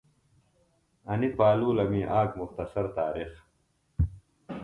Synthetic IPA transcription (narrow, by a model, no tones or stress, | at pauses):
ɐnipaːluːlɐmiʔaːkmuxt̪ɐsɐɾt̪aːɾix